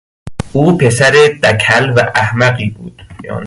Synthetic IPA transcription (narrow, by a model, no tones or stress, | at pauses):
ʔuːpʰesæɾed̪ækʰælvæʔæhmæɣiːbṵːd̪̥jɒ̰ːn